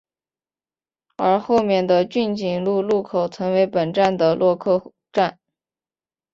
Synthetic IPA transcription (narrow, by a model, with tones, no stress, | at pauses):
ə˞˧˥xo˥˧ʊmjɛ˥˩nd̪ə˩t͡ɕy˥˩nt͡ɕi˨˩ŋlu˥˧lu˥˩kʰo˨˩ʊt͡sʰɤ˧˥ŋwe˧˥ɪpə˨˩nʈ͡ʂa˥˩nd̪ə˩lwɔ˥˧kʰɤ˥˧ | ʈ͡ʂa˥˩n